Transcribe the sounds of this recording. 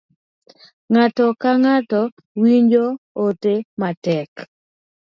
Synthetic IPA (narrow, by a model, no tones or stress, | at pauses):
ŋatɔkaŋatɔ | wiɲd͡ʒootematɛk